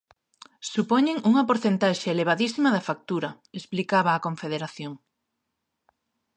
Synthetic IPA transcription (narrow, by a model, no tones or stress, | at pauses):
supoɲeŋuŋɐpoɾθent̪aʃeeleβ̞aðisimɐðɐfak̚t̪uɾɐ | esplikaβɐːkõɱfeðeɾaθjoŋ